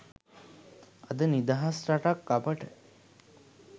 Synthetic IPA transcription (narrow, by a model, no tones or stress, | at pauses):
ɐd̪ənid̪aɦasɾaʈakːapəʈə